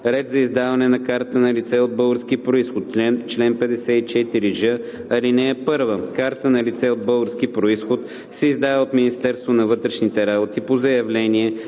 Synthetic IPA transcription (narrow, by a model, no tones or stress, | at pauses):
ɾɛd̪zɐizd̪avɐnɛnɐkaɾt̪ənɐlit̪sɛod̪̚bɤlˠɡəɾsk̟ipɾoisxot̪t͡ʃɛnt͡ʃlɛnpɛd̪ɛsɛit͡ʃɛit̪iɾiʒəɐlinɛɛpɤɾvəkaɾt̪ənɐlit̪sɛod̪̚bɤlˠɡəɾskipɾoisxot̪ | sɛizd̪avɛot̪minist̪ɛɾst̪vonɐvɤt̪ɾɛʃnit̪ɛɾabot̪ipozɐjɐvlɛniɛ